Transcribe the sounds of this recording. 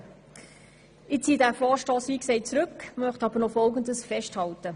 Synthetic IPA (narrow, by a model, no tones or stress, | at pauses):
ɪt͡siːdæːfɔːʃtɔːsʋiːksɛɪt͡sɾɵkːmœχtɑb̥əɾnɔfɔlɡəndəsfɛʃthɑltə